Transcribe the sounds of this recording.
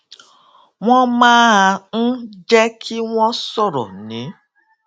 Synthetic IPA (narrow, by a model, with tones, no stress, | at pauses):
wʷɔ̃˦mãː˦˧n̩˦d͡ʒɛ˦kʰi˦wʷɔ̃˦sɔ˦ɾɔ̰˨nĩ˨˦